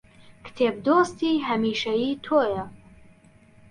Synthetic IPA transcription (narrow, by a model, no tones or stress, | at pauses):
kt̪ʰeːb̚d̪ost̪iːɦɐmiːʃɐjiːt̪ʰoːjɐ